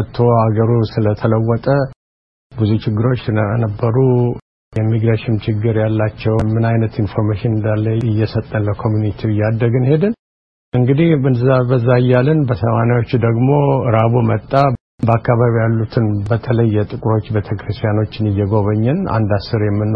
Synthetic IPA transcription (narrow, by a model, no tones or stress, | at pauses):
t̪ʰːohaɡəɾusɨlət̪ʰələwːɔt̪ʼə | bɨzut͡ʃɪɡːɨɾo̞t͡ʃːnənəbːəɾu | jɛmːiɡɾaʃɪmt͡ʃɪɡːɨɾjalːat͡ʃːɛwmɨnajnət̪info̞ɾmaʃɪnɨnd̪alːəɪjːɛsət̪ʼːənləkʰo̞mjunit̪ʰiɨjːad̪ːəɡɨnhe̞d̪ɨn | ʔɨŋɡɨd̪ihɨnzabəzːaɨjːalɨnbəsəmanawo̞t͡ʃːud̪əɡmo̞ɾaβumət̪ʼːa | bəakːaβaβijalːut̪ʰɨnbət̪ʰələjːɛt̪ʼɨkʼuɾo̞t͡ʃːbet̪ʰəkɾɨst̪ʰʼijano̞t͡ʃːɪnɨjːɛɡo̞βəɲːɛna̰nd̪asːɨɾjɛmːɨnː